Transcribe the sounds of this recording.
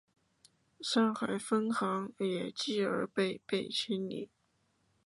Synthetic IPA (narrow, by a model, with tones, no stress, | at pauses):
sa˥nxa˧˥ɪfə˥nxɑ˧˥ŋjɛ˨˩t͡ɕi˥˩ə̰˞˧˥pe˥˧ɪpe˥˩ɪt͡ɕʰi˥nlḭ˨˩˦